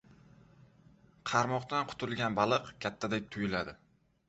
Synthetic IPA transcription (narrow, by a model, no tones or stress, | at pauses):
qʰɑɾmɒqt̪anqʰʊ̥t̪ʰʊlˠɡʲanbalˠɨqkʲʰat̪ʰːad̪ek̚ʲt̪ʰʊjɪlad̪ɪ